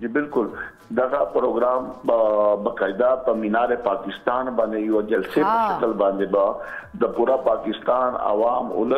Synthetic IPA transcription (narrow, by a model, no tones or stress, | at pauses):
d͡ʒiːbɪlkʊl | d̪ɐɣapɾoːɡɾaːm | bɐkaːɪd̪apɐmɪnaːɾepaːkɪst̪aːnbãːnd̪eɪɦod͡ʑɐlsepɐʃɐkəlbãːnd̪ebat̪ɐpuːɾapaːkɪst̪aːnɐ̰ʋaːmʊ̰lə